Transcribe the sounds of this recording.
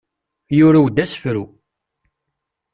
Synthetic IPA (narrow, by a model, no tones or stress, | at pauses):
jʊɾæwd̪æsfɾu